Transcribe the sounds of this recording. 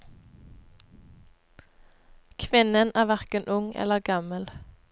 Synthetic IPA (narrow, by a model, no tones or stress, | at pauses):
kʰʋɪnənæːʋæʁkənʔʊŋɛ̰ləʁɡɑməl